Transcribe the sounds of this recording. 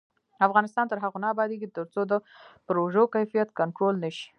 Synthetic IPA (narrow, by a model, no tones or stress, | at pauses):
afɣɑnɪst̪ɑnt̪əɾɦaɣonɑːbɑd̪eɡit̪əɾt͡sod̪əpɾoʒəkajfijat̪kaɳʈɾolnəʃi̥